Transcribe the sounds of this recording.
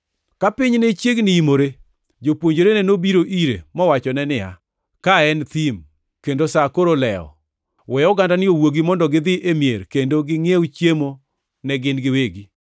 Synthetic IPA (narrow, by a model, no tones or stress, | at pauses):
kapɪɲnet͡ʃjeɡnɪimoɾe | d͡ʒopwoɲd͡ʒoɾenɛnobiɾoʔiɾḛmɔwat͡ʃɔnɛnɪa̰ | kaɛnt̪im | kendosakoɾolɛɔ̰ | wɛɔɡandanɪowoɡimɔndɔɡɪd̪ɪʔemjeɾkendoɡɪŋeut͡ʃjemo | nɛɡɪnɡɪweɡi